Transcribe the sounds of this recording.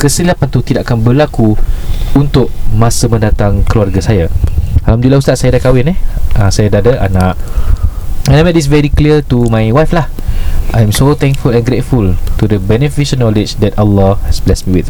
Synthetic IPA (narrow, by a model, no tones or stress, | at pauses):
kəsəliapant̪ut̪idaʔakanbəlakuunt̪ʊʔ̚mãsəmə̃ndat̪aŋkəluarɡasajaalamdulaust̪aʔsajadakawɪnɛhãsajadadəʔa̰naʔ | aɛ̃namɛt̚dis̬vɛɾikliət̪umajwajflah | ʔajɛ̃msot̪ɛ̃ŋkfulɛ̃nɡɾetfult̪udəbɛnəfiʃə̃nɔlɪd͡ʒdɛtəlːɔhɛsblɛsmĩwiθ